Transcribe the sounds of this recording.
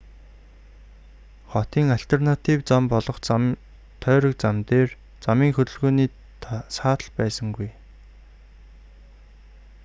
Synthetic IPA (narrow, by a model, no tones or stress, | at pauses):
χɔt̪iːŋaɬt̪ʰernat̪ʰiwt͡sampɔɮɞ̆χt͡s | t̪ʰœːɾə̆k̚t͡samt̪eːr | t͡samiːŋxɵt̪ɵ̆ɮɣoːniː | saːt̪ə̆ɮpæːsə̆ŋɡuj